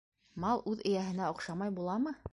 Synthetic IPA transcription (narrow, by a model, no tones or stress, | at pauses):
mɑlˠʉðɘ̆jæɦɘ̆næŏqʃɑmɑjbulˠɑmɤ